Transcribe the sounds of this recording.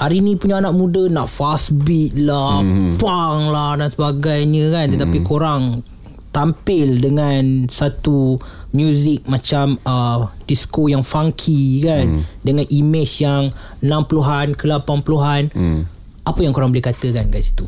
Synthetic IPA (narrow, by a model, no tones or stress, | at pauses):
ʔaɾinĩpuɲaanaʔ̚mũdənaʔfasbit̪̚lapaŋlahdansəbaɡajɲə̃kant̪ət̪apikoɾaŋ | t̪ampɪldəŋansat̪umjuzik̚mat͡ʃamədiskojaŋfaŋkʰikandəŋãnimɪt͡ʃjaŋ | ənãmpuluɦankəlapanpuluɦan | ʔapəjaŋkoɾaŋbəlɪhkat̪əkanɡaʔsi̥t̪u